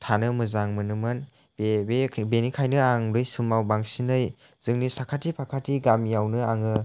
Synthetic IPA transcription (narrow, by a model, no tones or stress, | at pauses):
tʰanɯmɯzaŋmɯnɯmɯn | bebebenikʰajnɯaŋɾɯjsumawbaŋsinɯj | z̥ɯŋnisakʰatipʰakʰatʰiɡamjawnɯaŋɯ